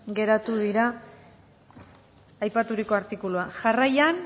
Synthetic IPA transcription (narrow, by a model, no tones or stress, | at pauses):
ɡe̞ɾat̪uðiɾa | jpat̪uɾiko̞aɾt̪ikuluaʝarajan